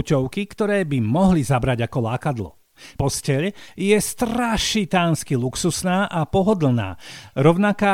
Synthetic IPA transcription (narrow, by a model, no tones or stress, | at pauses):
cɔʊkikt̪ɔɾɛːbimɔɦlizabɾaɟakɔlaːkad̪lɔ̰ | pɔscɛʎjɛst̪ɾaʃit̪aːnskiluksusnaːʔapɔɦɔd̪l̩na̰ːɾɔʊnakaː